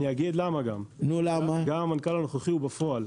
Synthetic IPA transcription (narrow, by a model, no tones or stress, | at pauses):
nijaɡid̪lamaɡamnulamaɡamankalanoχaχiubafoal